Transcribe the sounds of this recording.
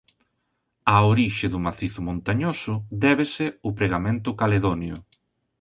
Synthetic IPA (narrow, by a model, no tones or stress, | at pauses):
aoɾiʃɪðʊmaθiθʊmõnt̪aɲosʊd̪ɛβesɪʊpɾeɣamẽnt̪ʊkaleðonjʊ